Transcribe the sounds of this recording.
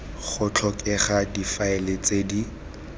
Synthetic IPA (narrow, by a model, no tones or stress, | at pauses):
χʊt͡ɬʰɔkʼɛχadifaɛlet͡sʼedi